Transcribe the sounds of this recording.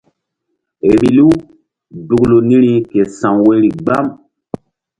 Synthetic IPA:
e˨ɾi˨lu˦ | du˨klu˨ni˦ɾi˦ke˨sa˨ŋwe˦ɾi˨ɡ͡ba˦m

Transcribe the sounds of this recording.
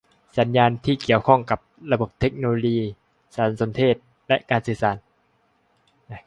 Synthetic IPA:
sa˩˦njaː˧nt̪ʰiː˥˩ki˨˩əwkʰɔ˥˩ŋka˨˩p̚ɾa˧bo˨˩p̚t̪ʰːe˦˥k̚no˧loː˧jiː˧ | saː˩˦nso˩˧˦nt̪ʰeː˥˩t̪̚ | lɛ˦˥ʔkaː˧nsɯː˨˩˦saː˩˦n

